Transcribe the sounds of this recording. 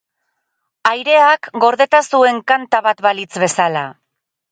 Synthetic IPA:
ajɾe̞akɡo̞ɾðe̞t̪asue̞ŋkant̪aβat̪βalit͡sβe̞sala

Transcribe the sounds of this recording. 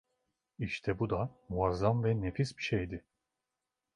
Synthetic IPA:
iʃt̪ʰɛbud̪amuazːamvɛnefisbiʃejd̪ɪ

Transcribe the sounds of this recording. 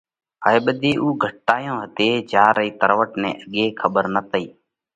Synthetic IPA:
ɦəːeːɓəd̪eːʔuːɡʱəʈːaːjõːɦət̪eːd͡ʒaːɾəiːt̪əɾʋəʈnḛ̃ːʔəɠeːkʰəɓəɾnət̪əiː

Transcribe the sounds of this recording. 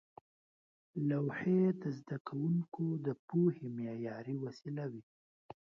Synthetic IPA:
lawhed̪əzd̪akʰawuŋkod̪əpohimjɑjɑɾiwasilawi

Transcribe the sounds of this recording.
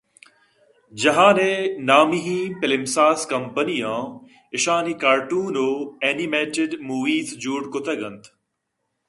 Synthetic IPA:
d͡ʑɐɦãːneːnaːmiɦĩːpɪlɪmsaːskɐmpənijãː | ɪʃaːnikaːɾʈuːnoːeːnimeːʈɪɖmuːʋiːzd͡ʑuːɖkʊt̪ʰɐɡɐ̃nt̪ʰ

